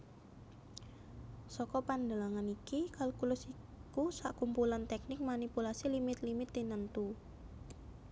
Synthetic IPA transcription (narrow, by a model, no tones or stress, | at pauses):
sɔkɔpand̪əlaŋanikikalkulʊsi | kusa̰ʔkumpulant̪ɛk̚nɪk̚manipulasilimɪt̪limɪt̪ːinənt̪u